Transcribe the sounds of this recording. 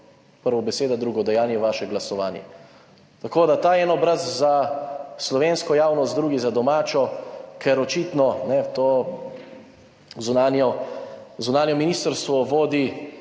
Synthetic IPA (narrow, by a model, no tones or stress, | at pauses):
pəɾʋɔbɛseːd̪ad̪ɾuːɡɔd̪ɛjaːnjɛʋaːʃɛɡlasɔʋaːnjɛ̰ | t̪akoːd̪at̪aːjɛːnɔbɾazzaslɔʋeːnskɔjaːwnɔst̪d̪ɾuːɡizad̪ɔmaːt͡ʃɔkʰɛɾɔt͡ʃiːt̪nɔnɛt̪oː | zunaːnjɔ | zunaːnjɔminiːst̪əɾst̪ʋɔʋoːd̪i